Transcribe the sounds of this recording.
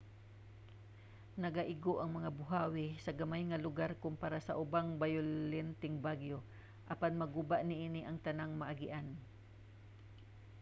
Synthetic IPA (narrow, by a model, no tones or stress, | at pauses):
nɐɡaʔɪɡoʔɐŋmɐŋabʊɦaːwɪsɐɡɐmajŋɐlʊɡaɾkʊmpaɾasɐʔʊbaŋbajʊlɛnt̪ɪŋbaɡjo | ʔɐpanmɐɡubaʔnɪʔiːnɪʔɐŋt̪ɐnaŋmɐʔaɡɪʔan